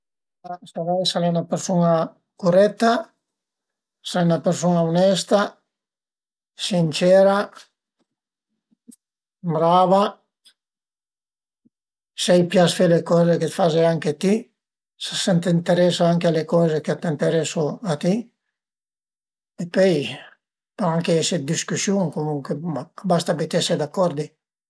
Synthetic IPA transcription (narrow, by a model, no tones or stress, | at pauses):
asavajsalɛnapeɾsona | kuɾɛt̪ːa | salɛnapeɾsonaunɛst̪a | sint͡ʃɛːɾa | bɾaːva | sɛjpjasfelekɔːzeket̪fazeaŋkeat̪i | sḁsɛnt̪eint̪eɾɛsaaŋkealekɔːzekeat̪int̪eɾɛsoat̪i | epɔj | peɾɔaŋkeɛsed̪iskusjuŋkomuŋkweakbast̪abet̪iɛsɛd̪akːɔɾd̪i